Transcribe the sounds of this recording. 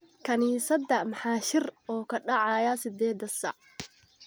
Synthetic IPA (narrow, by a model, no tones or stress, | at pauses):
kʰɐniːsɐd̪ɐmɑħaːʃɪrɔːkʰɐɖɑʕɑjɐsɪd̪ɛːd̪ɐsɐ̰ʕ